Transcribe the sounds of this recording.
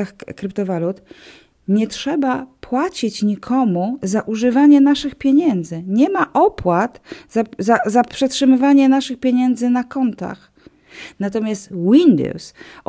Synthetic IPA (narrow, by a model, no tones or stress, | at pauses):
axkɾɘpt̪ɔvalut̪ | ɲɛtʂɛbapwat͡ɕit͡ɕɲikʰɔmuzaʔuʐɘvaɲɛnaʂɘxpʲjɛɲɛnd̪zɘɲɛmaʔɔpwat̪z̥azazapʂɛtʂɘmɘvaɲɛnaʂɘxpʲjeɲɛnd̪zɘnakɔnt̪a̰x | nat̪ɔmʲjast̪wind̪ɔ̰ws